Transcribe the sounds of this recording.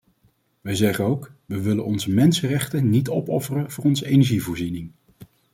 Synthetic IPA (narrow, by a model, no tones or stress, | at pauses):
ʋəjzɛχənowkʋəʋɪlənɔnzəmɛnsərɛχtənitɔpɔfərəvʊːrɔnzəejnɛɹʒivʊːɹzinɪŋ